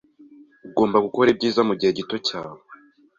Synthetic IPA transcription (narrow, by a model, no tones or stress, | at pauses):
uɡo̞ːmbaɡuko̞ɾeb̚ɟiːzamuɟihe̞ɟito̞caːwe